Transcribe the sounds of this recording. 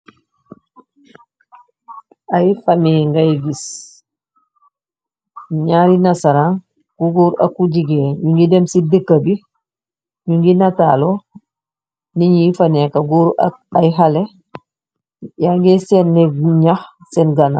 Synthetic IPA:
ajifameŋɡaɡis | ɲaɾinasaɾaŋ | kuɡuɾa̰kuɟiɡeɲuŋɡidemsidəkːabi | ɲuŋɡinatalo | niɲifanekaɡuɾajɦale | jaŋɡesenːɛɲaxsɛnɡana̰

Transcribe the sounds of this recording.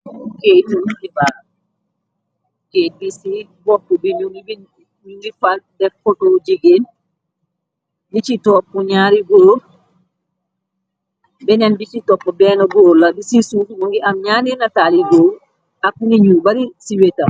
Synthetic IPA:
ketuniba | kedisi | bɔkːɔbinuibi | uŋɡifandɛfɔtod͡ʒiɡen | bit͡ʃitɔpːɔɲaːɾiɡoːɾ | bɛnɛnbit͡ʃitɔpːɔbɛnɔɡɔːlabisisufubuŋɡiamɲaninataliɡo | ʔakuniɲubaɾisiweta

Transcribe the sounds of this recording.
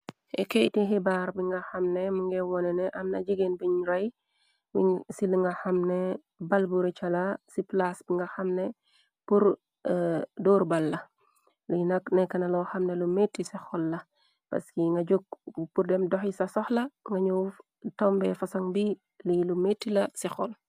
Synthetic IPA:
ʔɛ̰kɛjtiɦɛbaɾbiŋɡɐxɐmnɛmuŋɡɛwɔnɛnɛʔɐmnɐd͡ʒiɡenbiɲɾɐj | wisiluŋɡɐxɐmnɛ | bɐlbuɾit͡ʃɐlasiplasbiŋɡɐxɐmnɛ | puɾ | dɔːɾbɐlːɐ | lunɐknɛkːɐnɐlɔːxɐmnɛlumetːisɛxɔlːɐ | pɐ̰skiŋɡɐɟok̚purdɛmdɔxisɐsɔxlɐŋɡɐɲuːf | tɔmbɛfɐsɐŋbi | lilumetːilɐsɛxɔl

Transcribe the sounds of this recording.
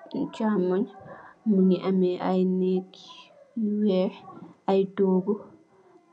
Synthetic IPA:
t͡ʃamɔɲmuniʔamɛʔajnekʰi̥wɛʔajdɔɡɔ

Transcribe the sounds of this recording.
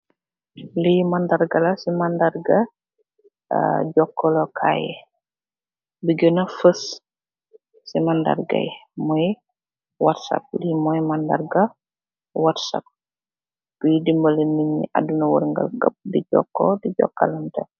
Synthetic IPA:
lijmɐndɐrɡɐlɐsimɐndɐrɡɐ | ɟɔkːɔlɔkʰa̰ːjɛ̰ | biɡənɐfəs | simɐndɐ̰rɡɐ̰jmɔj | watsa̰p̚lijmɔjmɐndɐ̰rɡɐ | watsa̰p̚ | b̥ijdimbɐləniɲḭʔa̰dunɐwə̰ɾŋɡɐ̰lkɐp̚diɟɔ̰kːɔ̰diɟɔ̰kːɐ̰lɐntɐ

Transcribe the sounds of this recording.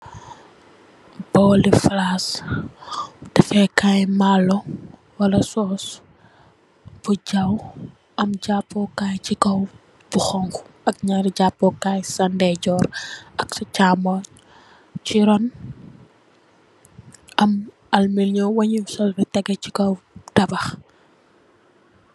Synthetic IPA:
b̥ɔːliflas | tɐfɛkajmalɔ | wɐlɐsɔːs | b̥uɟaw | ʔɐmɟapːɔkaːjt͡ʃikɐw | buxɔŋku̥ɐk̚ɲaɾiɟapːɔkaːjsɐndɛɟɔːɾɐksɔcaːmɔ | t͡ʃiɾɔn | ʔɐm | ɐlmilɲɔwɐɲimsɔːsbɛtɛɡɛcikɔwtɐbɐx

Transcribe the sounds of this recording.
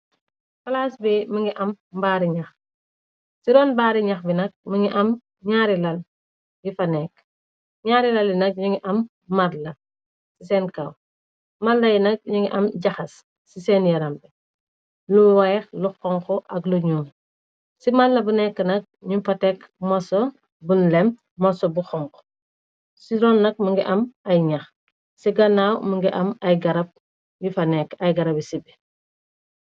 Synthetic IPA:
fɐlaːsbɛməŋɡiʔɐmbaːɾiɲɐx | siɾɔnbaːɾiɲɐxbinɐk̚məŋɡiʔɐm | ɲaːɾilɐl | jifɐnɛːk̚ | ɲaːɾilɐljinɐk̚ɲuŋɡiʔɐmː | ɐɾlɐ | sisɛnkaw | mɐlɐjinɐk̚ɲuŋɡiʔɐmɟɐxɐsː | isɛːnjɐɾɐmbɛ | luwajɛxluxɔŋkɔʔɐɡluɲuːn | simalːɐbunɛkːənɐk̚ɲufɐtɛk | mɔso | bunlɛm | mɔsɔbuxɔŋkɔ̥ | siɾɔnːɐk̚muŋɡiʔɐmɐjɲax | siɡɐnawməŋɡiʔɐmɐjɡɐɾɐp̚ | jifɐnɛkːɐjɡɐɾɐbisibɛ

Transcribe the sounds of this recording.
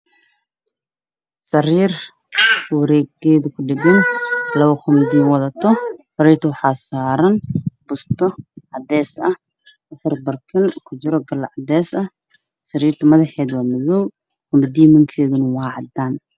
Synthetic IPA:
sɐɾiːr | wɐɾɛːɡɛːðʊkʰʊɖɪɡɐnlɐβɐxʊnɪd̪iːwɐðɐt̪ʰɔfʊɾɛːrt̪ʰɐwɑħɑːsaːɾɐnb̥ʊst̪ʰɔʕɑd̪ɛːsɐh | ʔɐfɐrbɐrkʰɐlkʰʊd͡ʒɪɾɔɡɐlɐʕɑd̪ɛːsɐ | sɐɾiːrt̪ʰɐmɐðɐħɛːðwɑːmɪðɔw | ɡʊnɐd̪iːmɐŋkʰɛːðʊnɐwɑːʕɑd̪aːn

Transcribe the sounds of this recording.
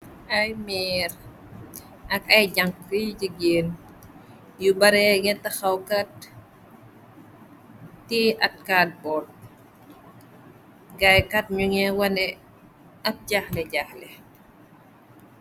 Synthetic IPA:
ɐjmɛːɾ | ɐkɐjɟɐŋkəjɟiɡeːn | jubɐɾɛŋɛtɐxɐwkɐt̚ | tiʔɐt̚kaːt̚bɔːl | ɡajkɐt̚ɲuŋɛwɐnɛ | ɐt̚ɟaxlɛɟaxlɛ

